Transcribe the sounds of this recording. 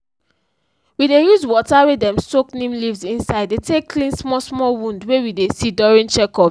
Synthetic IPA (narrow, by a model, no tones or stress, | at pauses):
widejuzwɔtawedɛ̃msoknĩmlivzĩnsaɪdetʰekːʰlĩnsmɔsmɔlwũndwewidesidɔɹĩnt͡ʃɛkɔ